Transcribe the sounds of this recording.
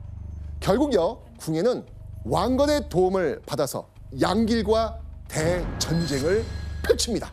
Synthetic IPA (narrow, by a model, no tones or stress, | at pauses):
kjʌɭɡuɡjʌ | kuŋe̞nɯn | waŋɡʌne̞toumɯɭpadasʰʌ̰ | jaŋɡiɭɡwate̞t͡ɕʌnd͡ʑe̞ŋɯɭpʰjot͡ɕʰɯmɲida